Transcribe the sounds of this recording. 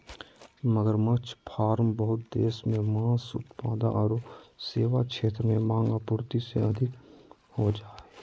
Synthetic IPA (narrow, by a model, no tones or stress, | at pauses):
məɡəɾmət͡ʃʰpʰaːɾmbəɦʊt̪̚d̪eːsmẽmãːsʊ̰t̪paːd̪a̰ʔɔːɾseːʋakʃʰeːt̪ɾəmẽmãːŋɡapʊɾt̪iseɐd̪ʱɪk | hod͡ʒaːeː